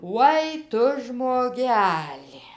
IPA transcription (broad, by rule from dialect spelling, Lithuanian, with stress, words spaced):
ˈʋoːɪ ˈtʊ ʒmoːˈɡʲæːlʲɪ